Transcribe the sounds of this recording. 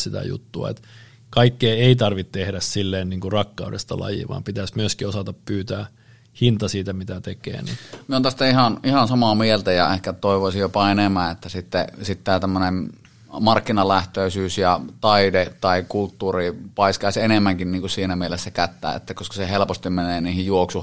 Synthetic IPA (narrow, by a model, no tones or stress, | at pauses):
sit̪æ̰jṵt̪ːuɑ̰ḛt̪ | kɑikːeːeit̪ɑrʋit̪t̪ehdæssilːeːnniːŋkurɑkːɑudḛst̪ɑlɑ̰jḭʋɑ̰ːmpit̪æsmyøskiosɑt̪ɑppyːt̪æː | hint̪ɑsiːt̪æmit̪æt̪ekˑḛːnḭmiont̪æst̪æihɑnihɑnsɑmɑmielt̪æjɑehkæt̪oˑiʋoˑisijjopɑenemæːʔet̪ːæsit̪ːesit̪t̪æːt̪æmːønem | mɑrkːinɑlæht̪øˑisyːsjɑt̪ɑidet̪ɑˑikult̪ːuːripɑˑiskɑˑisenemːæŋkinniːŋkussiːnæmielesːækæt̪ːæ̰ːḛt̪ːækoskɑ̥sehelpost̪immeneːniːhijjuoksuh